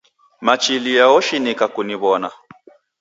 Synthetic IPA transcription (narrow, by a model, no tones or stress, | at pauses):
mat͡ʃilijaɔʃinikakuniβɔna